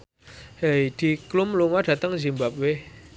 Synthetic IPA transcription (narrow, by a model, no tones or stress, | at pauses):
hejd̪̥i̤klumluŋɔd̪ɖ̥a̤t̪əŋzi̤mbap̚we